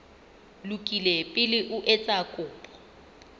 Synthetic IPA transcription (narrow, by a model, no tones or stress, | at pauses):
lukʼilɛpʼɪlɪʔʊʔɛt͡sʼakʼʊːpʼɔ̥